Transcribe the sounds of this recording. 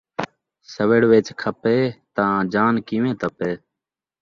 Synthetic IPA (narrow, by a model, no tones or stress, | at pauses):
səʋeːɽʋeːt͡ʃkʰəpeːt̪ãːd͡ʒaːnkiːʋẽːt̪əpeː